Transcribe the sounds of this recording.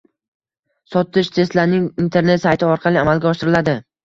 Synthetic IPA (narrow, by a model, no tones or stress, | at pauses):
sɒt̪ʰɪʃt̪ʰe̞st̪laɾnɪŋint̪ʰe̞ɾnet̪sajt̪ʰɪɒɾqʰɑlɪamalˠɡʲaɒʃɪɾɪlad̪ɪ